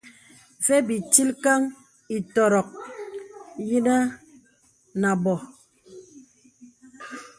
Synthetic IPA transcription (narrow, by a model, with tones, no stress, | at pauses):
fe˦bi˨t͡ʃi˦lka˦ŋ | i˨tɔ˨ɾɔ˨k̚ | ji˦na˦ | na˨bɔ˨